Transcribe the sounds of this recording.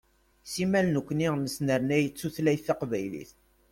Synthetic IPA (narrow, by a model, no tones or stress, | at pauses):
simælnəkʷːniʁməsnəɾnæjət͡sːuθlæjθːɑqvæjlḭθ